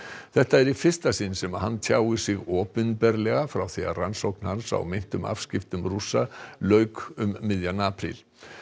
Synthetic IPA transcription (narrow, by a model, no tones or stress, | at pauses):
θɛht̪aɛɾifɪr̥st̪asɪnsɛmaðɦant̪ʰjaːwɪsɪɣɔːpʏnpɛɾlɛɣafɾawθia̰ransowknhansa̰wmɪn̥t̪ʏma̰fscɪft̪ʏmrusalœɥkʏmːɪðjanapʰɾḭl